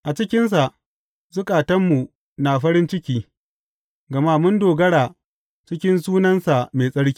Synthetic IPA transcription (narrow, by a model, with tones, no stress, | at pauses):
ʔa˨t͡ʃɪ˦kʲɪ˦ns̬a˨ʔ | zʊ˦kʼaː˨tɐ˦mːu˨ | na˨ɸɐ˦ɾɪ˦nt͡ʃɪ˦kʲiː˦ | ɡɐ˨ma˦mʊ˦ndoː˨ɡɐ˦ɽaː˨ | t͡ʃɪ˦kʲɪ˦nsuː˦nɐ˦nsa˨meː˨sʼɐ˦ɽkʲi̥˦˨